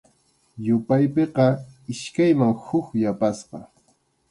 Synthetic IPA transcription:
jʊpajpeqɑɪʃkajmaŋhʊkjapasqɑ

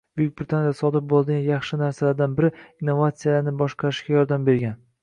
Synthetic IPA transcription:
bʊjjɪk̚ʲbɪɾɪt̪ʰanjaasɒd̪ɪp̚bolˠd̪ɪɡʲanjɑχʃɪnaɾsalaɾd̪anbɪɾɪinːo̞vat̪sijalaɾnɪbɒʃqʰɑɾɪʃɡʲajɒɾd̪ambe̞ɾɡʲan

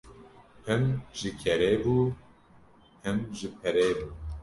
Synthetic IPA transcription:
hɨmʒɨkʰɛɾeːbuː | hɨmʒɨpʰɛɾeːbuː

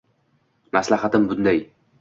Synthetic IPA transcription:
maslaɦat̪ɪmbʊnd̪aj

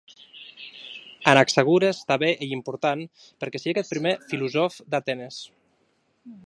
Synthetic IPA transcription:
anaksəɣ̞uɾest̪aβeʔeimpuɾt̪an | pəɾkɛsiakɛt̪̚pɾimefiluzɔfd̪at̪ɛnes

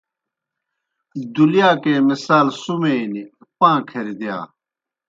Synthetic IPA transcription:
d̪uljaːkẽːmisaːlsumeːniɐpãːkʰɐɾid̪ja̰ː

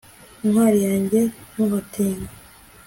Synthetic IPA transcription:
iŋhwaːɾijaːɲɟe̞noβatʰeːŋɡa

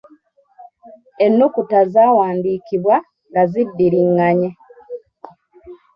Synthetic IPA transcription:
enːukutazaːwaːndiːkiβwa | ŋɡazidːiɾiŋːaɲe

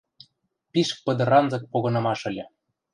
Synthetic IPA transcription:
pʲiʃk̚pɤ̆d̪ɤ̆ɾɑnzɤ̆k̚poɣɤ̆nɑmɑʃɤ̆lʲĕ

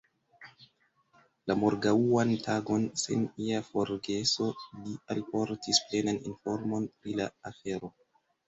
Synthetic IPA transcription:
lamo̞ɾɡauantʰaɡo̞nsḛniafo̞ɾɡe̞so̞lialpo̞ɾtisple̞nanḭnfo̞ɾmo̞npɾilaafe̞ɾo̞

